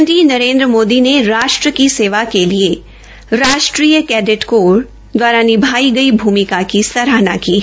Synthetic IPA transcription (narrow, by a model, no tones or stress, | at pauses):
nt̪ɾiːnɐɾẽːnd̪ɾəmoːd̪ineɾaːʃʈɾəkiseːʋakelie | ɾaːʃʈɾiːjəkɛːɖɪʈkoːɾ | d̪waːɾanɪbʱaːiɡɐibʱuːmɪkakisɐɾaːnakiː